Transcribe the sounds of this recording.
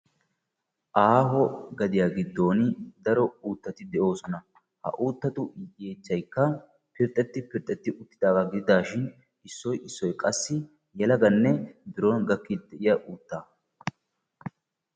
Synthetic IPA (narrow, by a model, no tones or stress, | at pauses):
ʔaːɦɔɡɐd̪ɪjaːɡɪd̪ːo̞ːnɪd̪ɐɾɔuːt̪ːɐt̪ɪd̪ɛʔo̞ːsɔnɐ | hɐ̰ʔuːt̪ːɐt̪ʊjeːt͡ʃːɐjkːɐ | pɪɾt̪ʼːɛt̪ːɪpɪɾt̪ʼːɛt̪ːɪʔʊt̪ːɪ̥d̪aːɡaɡɪd̪ɪd̪aːʃɪn | ɪsːɔjɪsːɔjkʼɐsːɪ | jɛlɐɡɐnːɛd̪ʊɾoːnɡɐkːid̪ɛʔɪjɐʔuːt̪ːaː